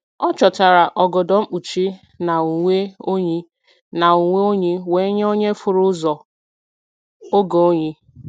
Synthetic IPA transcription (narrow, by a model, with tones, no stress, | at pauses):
ɔ˦t͡ʃɔ˨ta˨ɾa˨ʔɔ˨ɡɔ˨dɔ˨ŋ͡m̩˦k͡pu˨t͡ʃi˦ | na˨u˨ŋʷe˦o˦ɲi˦ | na˨u˨ŋʷe˦o˦ɲi˦we˦ɲe˦o˦ɲe˦fʊ˨ɾʊ˦zɔ˨ | o˦ɡo˨o˦ɲi˦